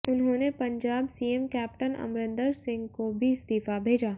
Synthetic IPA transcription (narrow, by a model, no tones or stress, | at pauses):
ʊnɦõːnepɐ̃ɲd͡ʒaːbsiːemkɛːp̚ʈənɐ̰mɾɪ̃nd̪əɾsɪ̃ŋɡkobʱiɪst̪iːfabʱeːd͡ʒaː